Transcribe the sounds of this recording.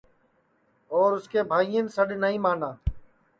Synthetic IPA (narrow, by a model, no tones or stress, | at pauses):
ɔːɾʊskeːbʱaːijənsəɗnəɦĩːmaːnãː